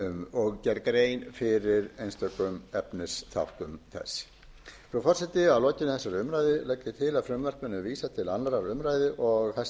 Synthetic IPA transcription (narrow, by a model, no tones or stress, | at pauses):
ɔɣcɛɾkɾeːjnfɪɾɪɾejnst̪œkʏmɛpnɪsθa̰whk̪ʏmθɛ̰sː | fɾɔfɔr̥sɛt̪ɪaðlɔcɪnɪθɛsːaɾʏmɾajðɪlɛcːɪt̪ʰɪlaðfɾʏmvɛr̥kmɛnːʏviːsat̪ʰɪlanlaɾaɾʏmɾaːjðɪʔɔɣθɛ